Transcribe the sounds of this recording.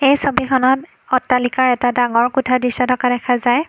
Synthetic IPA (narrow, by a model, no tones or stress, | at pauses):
ejsobikʰɔnɔt | ɔtːalikaɹɛtadaŋɔɹkutʰadisɔdɔkadɛkʰazaj